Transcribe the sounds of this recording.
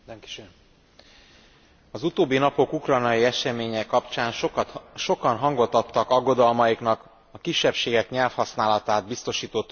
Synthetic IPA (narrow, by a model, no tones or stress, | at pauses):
ŋki̥ʃ | ɒzut̪oːbːinɒpo̞kukrɒjnɒjiɛʃɛmeːɲɛkːɒpt͡ʃaːnʃo̞kɒnɦɒŋɡot̪ɒt̪ːɒkɒɡːo̞d̪ɒlmɒjikn̪ɒk | ɒkiʃːɛpʃeːɡɛkɲɛlfhɒsnaːlɒt̪aːd̪̚bist̪o̞ʃiːt̪ot̪ː